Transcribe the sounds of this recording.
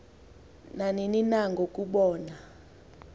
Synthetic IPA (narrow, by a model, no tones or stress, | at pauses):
nanininaŋɡʱokʼuɓɔːna